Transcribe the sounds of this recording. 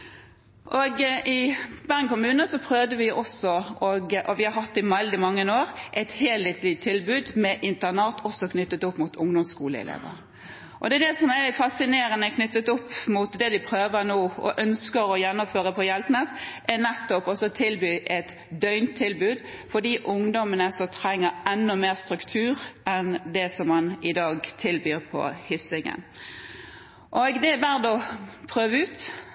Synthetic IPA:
ʔɔɡʔɪbæŋkʊmʉːnəsɔpʰɾøːʋd̪əʋɪʔɔsɔɔɡʔɔʋɪhɑɾɦɑt̪ːɪmɛld̪ɪmɑŋːənoːɾʔɛt̪heːlheːt̪lɪt̪ʰːɪlbʉːd̪mɛʔɪnt̪ənɑːt̪ʰɔsɔkʰnʏt̪ːət̪ɔpːmʊt̪ʰʊŋd̪ʊmskuːləɪ̰lḛːʋə̰ɾ | ʔɔd̪ɛd̪ɛsɔmæfɑsɪneːɾənəɛkʰnʏt̪ːət̪ɔpːmʊt̪d̪ɛd̪ɪpʰɾøːʋəɾnuːɔ̰ʔœnskəɾɔjɛnːʊmføːʁəpʰɔjɛlt̪nəsʔɛnɛt̪ːɔpɔsɔt̪ʰɪlbyːʔɛt̪ | d̪œʏnt̪ʰːɪlbʉːd̪fɔd̪iːʔʊŋd̪ɔmənəsɔt̪ʰɾɛŋːəɾɛnːʊmeːʁst̪ɾʉkt̪ʰʉːɾʔɛnd̪ɛsɔmːɑnɪd̪ɑːɡt̪ʰɪlbyːɾpʰɔ̰hʏsɪŋə̰n | ʔoːɡd̪ɛbæʁd̪ɔpʰɾøːʋəʉːt̪

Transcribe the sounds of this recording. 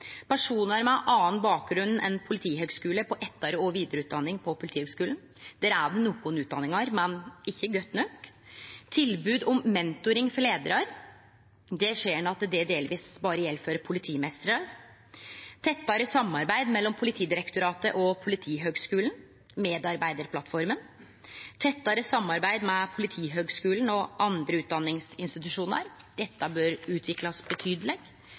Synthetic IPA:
pʰæʂuːnɑɾmɛʔɑːənbɑːk̚ɡɾʉnn̩ʔɛnpʰʊlɪt̪ʰiːɦøːɡskʉːləpʰɔʔɛt̪ːɑɾəɔʋiːd̪əɾəʉːt̪̚d̪ɑnːɪŋpʰɔpʰʊlɪt̪iːhøɡskʉːln̩ | d̪̥ɛːɾæɖɛnukʊnʉːt̪d̪ɑ̰nːɪŋɑɾmɛnɪçːəɡœt̪ːnœk | t̪ʰɪlbʉːd̪ɔmːɛnt̪ʊɾɪŋfɔɭeːd̪əɾɑɾ | d̪ɛʂeːɳɑt̪d̪ɛd̪eːlʋiːsbɑːɾəjɛlːføːɾəpʰʊlɪt̪ʰiːmɛst̪əɾɑɾ | t̪ʰɛt̪ːɑɾəsɑmːɑɾbæɪd̪mɛlːɔmpʰʊlɪt̪ʰiːd̪ɪɾɛkt̪ʊɾɑːt̪əʔɔpʰʊlɪt̪ʰiːɦøːɡskʉːln̩ | meːd̪ɑɾbæɪd̪əɾpʰlɑt̪fɔɾmən | t̪ʰɛt̪ːɑɾəsɑmːɑɾbæɪd̪mɛpʰʊlɪt̪ʰiːɦøːɡskʉːln̩ɔʔɑnd̪ɾəʉːt̪̚d̪ɑnːɪŋsɪnst̪ɪt̪ʉʂuːnə̰ɾd̪̥ɛt̪ːəbøːɾʉːt̪ʰʋɪklɑsbət̪ʰyːd̪əlɛɡ̥

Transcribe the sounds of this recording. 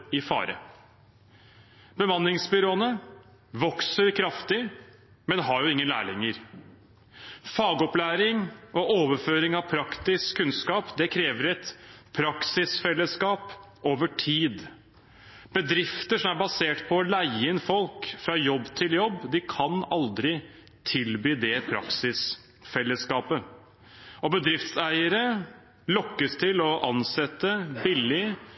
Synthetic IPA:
ɪfɑ̰ːɾə̰ | b̥əmɑnːɪŋsbʏɾoːənə | ʋɔksəɾkʰɾɑft̪ɪ | mɛnɦɑɾjʊɪŋːənlæ̰ːɭɪŋːəɾ | fɑːɡɔplæːɾɪŋɔʔoːʋəɾføːɾɪŋɑʋpʰɾɑkt̪ɪskʰːʉnskɑːpd̪ɛkʰɾeːʋəɾɛt̪pʰɾɑksɪsfɛlːəskɑːp | oːʋəʈʰiːd̪ | b̥əd̪ɾɪft̪əʂɔmæɾbɑseːʈpʰɔlæɪɪnfɔlkfɾɑːjɔbːt̪ʰɪljɔbːd̪ɪkʰɑnɑld̪ɾɪ | t̪ʰɪlbyːd̪ɛpʰɾɑ̰ksɪs | fɛlːəskɑːpə | ɔbəd̪ɾɪft̪sæɪəɾə | lɔkːəst̪ʰɪlɔʔɑnsɛt̪ːəbɪlɪ

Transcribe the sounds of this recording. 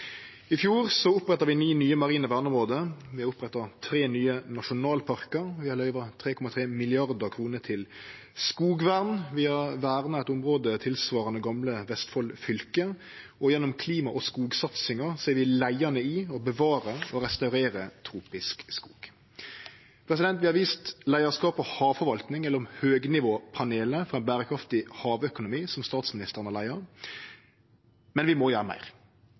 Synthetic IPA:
ɪfjuːʁsɔʊpʁɛt̪ːɑʁʋɪniːnyːəmɑʁiːnəʋæːʁnʊmʁoːd̪əʋɪhɑɾʊpʁɛt̪ɑt̪ʰɾeːnyːənɑʃʊnɑːlpʰɑʁkəɾʋɪhɑɾlœʏʋɑt̪ʰɾeːkʰɔmɑt̪ʰʁeːmɪlɪɑʁd̪əkʰʁuːnət̪ʰɪl | skuːɡʋæʁnʋɪhɑʁʋæːʁnɑɛt̪ʊmʁoːd̪ət̪ʰɪlsʋɑːɾʁɑnəɡɑmləʋɛst̪fɔlfʏlkə | ɔjɛnːʊmkʰliːmɑʔɔskuːɡsɑt̪sɪŋɑʁseːɾʋɪlæɪɑnəɪɔbəʋɑːɾəɔɾɛst̪ɑʉɾeːɾət̪ʰɾuːpɪskskuːɡ̥ | pʰɾɛs̬ɪd̪ɛnt̪ʋɪhɑɾʋiːst̪læɪɑskɑːpɔhɑːʋfɔɾʋɑlt̪nɪŋɛlːəɾɔmhøːɡnɪʋoːpʰɑneːləfɔʁɑɛnbæːɾəkʰɾɑft̪ɪhɑːʋœkʊnʊmiːsɔmst̪ɑːt̪smɪnɪst̪əʁənɑlæɪɑ | mɛnʋɪmɔjøːɾəmæ̰ɪʁ

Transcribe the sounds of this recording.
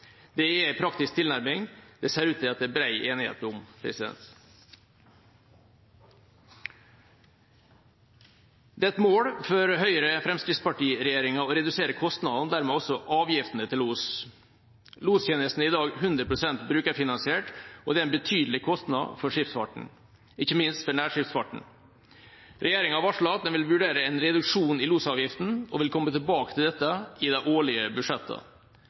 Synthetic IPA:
d̪̥ɛɛæɪpʰɾɑkt̪ɪsk̚t̪ʰɪlnæɾmɪŋd̪̥ɛseːɾʉːt̪ʰɪlɑt̪̚d̪ɛbɾæɪʔeːnɪhḛːt̪ʊmpʰɾɛ̰sɪd̪ɛ̰nt̪ | d̪ɛːɛt̪moːɽfɔɾɦœʏəɾəfɾɛmskɾɪt̪spɑʈiːɾɛjeːɾɪŋɑɔːɾɛd̪ʉseːɾəkʰɔst̪nɑd̪nd̪æːɾmɛɔsɔʔɑːʋjɪft̪ənət̪ʰɪlluːs | luːst̪ʰjeːnəst̪n̩ɪd̪ɑːɡɦʉnd̪ɾəpɾʊsɛnt̪bɾʉːkəɾfɪnɑnsɪeːʈɔd̪ɛæɾɛnbət̪ʰyːd̪l̩ɪkʰɔst̪nɑ̰d̪fɔɾʂɪft̪fɑ̰ʈɳ̩ | ɪçːəmɪnst̪fɔɳæːʂɪft̪sfɑʈɳ̩ | ɾʔɛjeːɾɪŋɑʋɑʂɭɑːt̪̚d̪ɛnʋɪlʋʉɖeːɾəɛnɾɛd̪ʉkʂuːnɪluːsɑːʋjɪft̪n̩ɔʋɪlkʰɔmːət̪ʰɪlbɑːkət̪ʰɪld̪ɛt̪ːəɪd̪ɛʔoːɭɪəbʉʂɛt̪ʰːə̰

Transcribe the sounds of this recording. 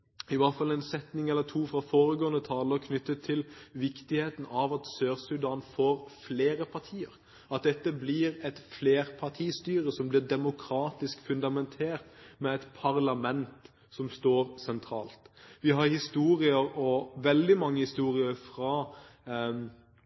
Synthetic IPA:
ɪʋɑt̪fɑlːɛɪnsɛt̪nɪŋɛlːəɾt̪ʰuːfɾɑfoːɾəɡoːənət̪ʰɑːləʁkʰnʏt̪ːət̪ʰːɪlʋɪkt̪ɪheːt̪n̩ɑʋɑt̪søːʁsʉd̪ɑːnfoːɾfleːɾəpʰɑɾt̪ʰiːə̰ɾ | ɑt̪̚d̪ɛt̪ːəblɪɾɛt̪fleːɾpʰɑʁt̪ʰiːst̪yːɾəsɔmblɪʁd̪ɛmʊkʰɾɑːt̪ɪskfʉnd̪ɑmɛnt̪ʰeːɾt̪mɛɛɪt̪pʰɑʁlɑmɛnt̪ | sɔmst̪oːɾsɛnt̪ʰɾɑːlt̪ʋɪɦɑɾhɪst̪uːɾɪəɾɔʋɛld̪ɪmɑŋːəhɪst̪uːɾɪəɾfʁɑː

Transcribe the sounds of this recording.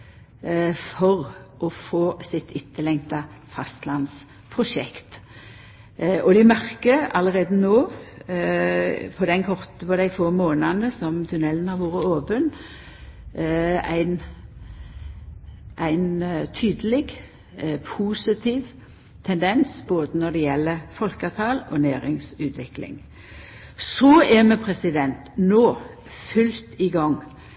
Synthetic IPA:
fɔʁʔɔfoːsɪt̪ɪt̪ːəlɛŋt̪ɑfɑst̪lɑns | pʰʁʊʃɛ̰kt̪ | ɔd̪ɛmæʁkəɑləʁeːd̪ənoː | pʰɔd̪ɛnkʰɔʁt̪əpɔd̪æɪfoːmoːnɑnəsɔmt̪ʰʉnɛlnɑʋoːʁəoːpən | æ̰ɪn | ʔæɪnt̪ʰyːd̪əlɪɡ | pʰuːsɪt̪ʰiːʋ | t̪ʰɛnd̪ɛnsboːd̪ənɔd̪ɛjɛlːəfɔlkɑʋt̪ʰɑːlɔnæːɾɪŋsʉːt̪ʰʋɪklɪ̰ŋ | sɔɛmɛpʰɾɛsɪd̪ɛnt̪noː | fʉlt̪ɪɡɑŋː

